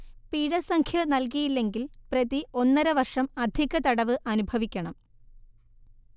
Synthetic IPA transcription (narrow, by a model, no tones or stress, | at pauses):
piːɽɐsɐŋkʰjɐnɐlk̬ijilːe̞ŋɡilprɐðio̞nːɐɾɐʋɐrʂɐmɐd̪ʱiɣɐt̪ɐɽɐʋɨʔɐnubʱɐʋikʲːɐɳɐm